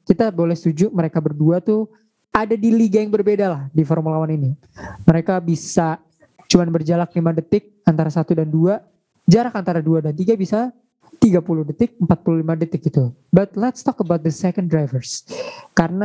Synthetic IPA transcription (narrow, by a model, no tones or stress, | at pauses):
kit̪abolɛhst̪ud͡ʒuməɾekabərduat̪u | adadiliɡajaŋbərbedalahdifɔrmulawanini | məɾekabisa | t͡ʃumanbərd͡ʒalaklimadət̪ɪk̚ant̪aɾasat̪udandua | d͡ʒaɾakant̪aɾaduadant̪iɡabisa | t̪iɡapulʊhdət̪ɪk̚əmpat̪̚puluhlimadət̪ɪk̚ɡit̪ubat̪̚lɛt̪st̪ɔkəbawt̪̚d̪əsɛkəndɾajvərskaɾəna